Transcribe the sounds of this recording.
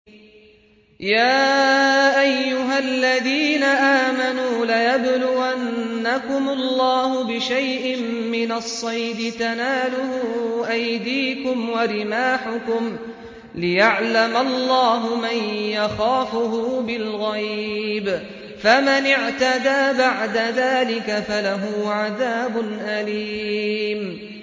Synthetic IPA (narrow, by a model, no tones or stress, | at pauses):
jaːʔajːʊɦalːaðiːnaʔaːmanuːlajablʊwannːakʊmʊlːɑːhʊbɪʃajʔɪmːɪnasˤːɑjd̪ɪt̪anaːlʊhʊʔajd̪iːkʊmwaɾɪmaːħʊkʊm | lɪjaʕlamalˤːɑːɦʊmanjaxaːfʊɦʊbɪlɣajb | famɪnɪʕt̪ad̪aːbaʕd̪aðaːlɪkafalaɦuːʕaðaːbʊnʔaliːm